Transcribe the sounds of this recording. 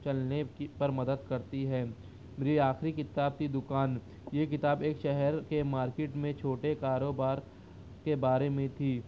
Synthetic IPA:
t͡ʃɐlnepɐɾmɐd̪əd̪kɐɾt̪iɦɛː | meːɾiaːxɾikɪt̪aːb̚t̪id̪ʊkaːn | jek̬ɪt̪aːbeːkʃɛɦɛɾkemaːɾkeːʈmẽt͡ʃʰoːʈekaːɾoːbaːɾ | kebaːɾemẽt̪ʰiː

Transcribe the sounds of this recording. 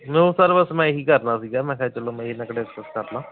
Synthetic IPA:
mɛ̃osaːɾbəsmɛ̃ːɦiːkəɾnaːsiːɡaːmɛ̃ːkʰɛːt͡ʃəlõːmɛ̃ːɦiːnəkəɽeəksəskəɾlãː

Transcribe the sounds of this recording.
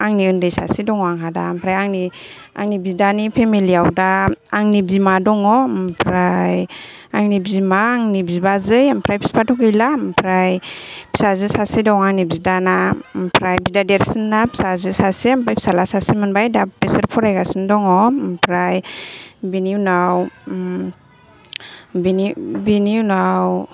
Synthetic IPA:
aŋniɯndɯjsasidɔŋɔaŋɦada̰mpʰɾajaŋni | a̰ŋnibidanipʰemiliawdaːŋnibimadɔŋɔmpʰɾajaŋnibimaːŋnibibazɯjampʰɾajpʰi̥spʰatʰɔkɯjlampʰɾajpʰi̥sazɯsasedɔŋaŋnibzidanampʰɾajbidadeɾsinːapi̥sazɯsaseampajpʰi̥salasasimɯnbajdapeseɾpʰɔɾajɡasindɔŋɔmpʰɾajbiniwnaw | binibiniwnaw

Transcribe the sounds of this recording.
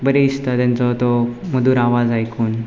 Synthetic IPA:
bəɾeist̪at̪jant͡sɔt̪ɔməd̪uːɾaʋad͡zajkʰuːn

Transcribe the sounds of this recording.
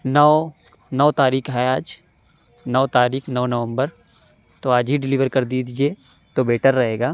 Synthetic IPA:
nɔː | nɔːt̪aːɾiːkʰɦɛaːd͡ʒ | nɔːt̪aːɾiːkʰnɔːnɐʋə̃mbəɾ | t̪oaːd͡ʒɦiɖɪliːʋəɾkɐɾd̪iːd̪id͡ʒieː | t̪obeːʈəɾːɐɦeːɡaː

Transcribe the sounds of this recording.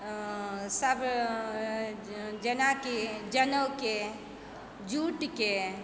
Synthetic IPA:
səb | d͡ʒənakid͡ʒənəwke | d͡ʒuʈke

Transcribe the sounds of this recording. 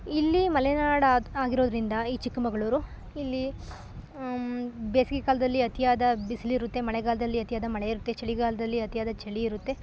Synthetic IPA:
ilːimɐlɛnaːɽɐaːɡiɾo̞ːd̪ɐɾind̪ɐiːt͡ʃikːɐmɐɡɐɭuːɾu | ilːi | beːsiɡikaːlɐd̪ɐlːiɐt̪ijaːd̪ɐbisliːɾut̪ːe̞mɐɭɛɡaːlɐd̪ɐlːiɐt̪ijaːd̪ɐmɐɭeiɾut̪ːe̞t͡ʃɐɭiɡaːlɐd̪ɐlːiɐt̪ijaːd̪ɐt͡ʃɐɭiiɾut̪ːe̞

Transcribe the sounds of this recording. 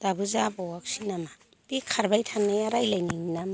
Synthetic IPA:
d̥abuzabɔwak̚sinama | b̥ikʰaɾbajtʰaŋnajaɾajlajnininam

